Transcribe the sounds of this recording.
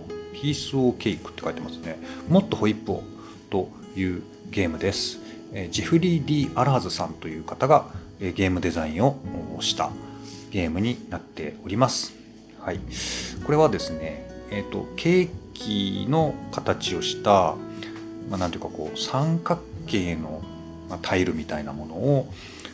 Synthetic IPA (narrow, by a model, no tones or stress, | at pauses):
çʲiːsɨoːkʲe̞ːikɯ̟̥t̪ːe̞kai̥t̪emasɨne̞mo̞t̪ːo̞ho̞ipːo̞̰ː | t̪o̞ | jɯ̟ː | ɡʲe̞ːmɯ̟d̪e̞sɨ̥ | ed͡ʑiɸɯ̟ɾʲiːd̪ʲiːʔaɾaːzɨsãnt̪o̞jɯ̟ːkat̪aɡa | eːɡe̞ːmɯ̟d̪e̞zaĩɰ̃o̞ɕi̥t̪a̰ɡ̥e̞ːmɯ̟ɲ̟inat̪ːe̞̰o̞ɾʲimasɨ̥ | haiko̞ɾe̞βad̪e̞sɨne̞eːt̪ːo̞̰kʰe̞ːkʲino̞kat̪at͡ɕio̞ɕi̥t̪a | manant̪ojḭkako̞̰ːsãŋkakːe̞ːno̞ | mat̪ʰaiɾɯ̟mʲit̪aina̰mo̞no̞ː